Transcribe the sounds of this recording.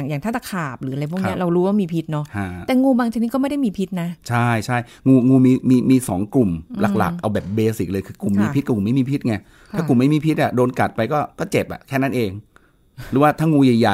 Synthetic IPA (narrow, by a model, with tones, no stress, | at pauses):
a˨˩ŋjaː˨˩ŋt̪ʰa˥˩t̪a˧˥˩kʰaː˨˩p̚ɾɯː˩˦˧ɾjpʰɔ˥˩kn˧i˦˥˩ɐɾa˧wɾuː˦waː˥˩miː˧pʰi˦˥t̪̚nɔ˦˥ha˥˩ɛː˨˩ŋuː˧baː˧ŋt͡ɕa˨k̚niː˦˥kɔː˥ma˥˩jda˥˩jmiː˧pʰi˦˥t̪̚na˦˥t͡ɕʰa˥˩jt͡ɕʰa˥˩j | ŋuː˧ŋuː˧miː˧miː˧miː˧sɔː˩˦ŋklu˨˩mla̰˨˩k̚la̰˨˩kʔa˧wbɛː˨˩p̚beː˧si˨˩k̚lɤː˧jkʰɯː˧ku˨˩mːiː˧p̪̚ʰkɔː˥˨˩ku˨˩˦ma˥˩miː˧pʰi˦˥t̪̚ŋa˧˩ | t̪ʰaː˥˩ku˨˩mːa˥˩jmiː˧pʰi˦˥t̪̚ʔa˨˩doː˧nka˨˩t̪̚pa˧jkɔː˥˩kɔː˥˩t͡ɕe˨˩p̚ʔa̰˨˩kʰɛː˥˩na˦˥˩nʔeː˧ŋ | ɾɯː˨˦waː˥˩t̪ʰaː˥˩ŋuː˧ja˨˩ja˨˩